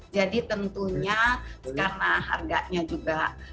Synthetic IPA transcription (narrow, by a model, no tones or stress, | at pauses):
d͡ʒadit̪ənt̪uɲakarnaɦa̰rɡaʔɲad͡ʒuɡa